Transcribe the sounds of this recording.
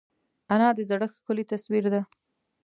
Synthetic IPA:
anɑd̪əzaɽəxkʊlit̪aswiɾd̪a

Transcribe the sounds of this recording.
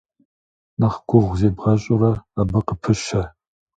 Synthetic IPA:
nɐχɡʷʊʁʷzeːbʁɐɕʼʊrɐɐbɐqəpʰɨʃɐ

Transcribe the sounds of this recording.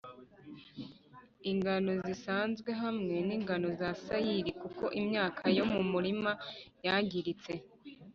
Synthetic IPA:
iŋɡano̞zisaːnzɡwe̞ɦamŋe̞niːŋɡano̞zasajiɾikuko̞ʔimɲaːkʰajo̞mumuɾimajaɟiɾit͡se̞

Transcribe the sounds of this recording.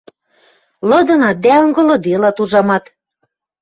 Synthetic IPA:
lɤ̆d̪ɤ̆nɑt̪̚d̪æɤŋɡɤ̆lɤ̆d̪elɑt̪uʒɑmɑt̪

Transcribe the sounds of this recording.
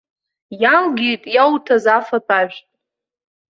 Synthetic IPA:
jalɡʲijtʼjawtʰazafapʰaʒᶣtʼ

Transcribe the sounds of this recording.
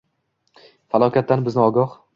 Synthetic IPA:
falˠɒkʲʰat̪ːanbɪznɪɒɡɒh

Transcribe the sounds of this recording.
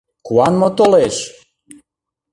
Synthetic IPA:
kuɑnmot̪oleʃ

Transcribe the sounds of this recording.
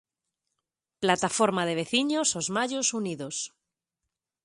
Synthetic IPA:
plat̪afoɾmað̞e̞βe̞θiɲosozmaʎosuniðos

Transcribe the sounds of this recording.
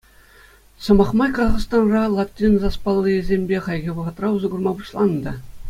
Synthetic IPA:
sɤ̆mɑχmɑjkɑzɑχst̪ɑnrɑlˠɑtʲːinzɑspɑlˠːɯezʲemʲbʲeχɑjɡʲeʋɤ̆ʁɤ̆t̪rɑuzɤ̆ɡurmɑbuɕlˠɑnːd̪ɑ

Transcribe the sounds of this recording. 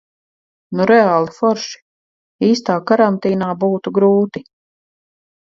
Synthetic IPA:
nuɾɛaːlˠifɔɾʃi̥ | iːst̪aːkaɾant̪iːnaːbuːt̪uɡɾuːt̪i

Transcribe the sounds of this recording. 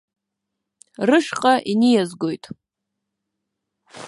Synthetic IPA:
rɨʂqʼaʔinijazɡojtʼ

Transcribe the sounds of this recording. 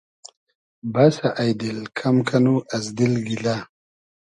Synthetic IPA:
basaʔajd̪ilkʰamkʰanuʔɐzd̪ilɡila

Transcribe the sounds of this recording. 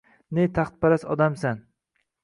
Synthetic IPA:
net̪ʰaχt̪̚paɾasɒd̪amsan

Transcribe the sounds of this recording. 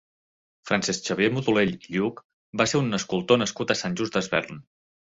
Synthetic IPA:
fɾansɛsʃəβjemut̪uleʎiʎuk | baseɾunːəskulˠt̪onəskut̪əsanʲʒuzd̪əzβɛ̰rn

